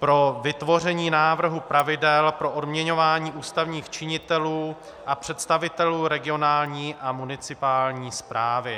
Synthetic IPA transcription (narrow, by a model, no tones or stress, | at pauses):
pɾo̞vɪt̪vo̞r̝ɛɲiːnaːvr̩ɦupɾavɪdɛlpɾo̞ʔodmɲɛɲo̞vaːɲiːʔuːst̪avɲiːxt͡ʃɪɲɪt̪ɛluː | ʔapr̝̥ɛt̪st̪avɪt̪ɛluːɾɛɡɪo̞naːlɲiːʔamunɪt͡sɪpaːlɲiːspɾaːvɪ